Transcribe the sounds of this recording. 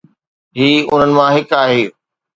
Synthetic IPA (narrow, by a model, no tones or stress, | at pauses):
ɦiːʊn̤ənɪ̆mãɦɪkaːɦeː